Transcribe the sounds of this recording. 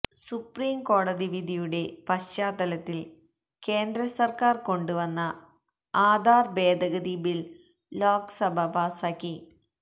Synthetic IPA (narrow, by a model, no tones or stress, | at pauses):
supriːmko̞ːɽɐðiʋid̪ʱijuɽe̞pɐt͡ɕaːd̪ɐlɐt̪ːil | ke̞ːnd̪ɾɐsɐrkaːrko̞ɳɖuʋɐnːɐ | aːd̪ʱaːrbe̞ːd̪ʱɐɣɐðibilː | oːksɐbʱɐbaːsaːkːi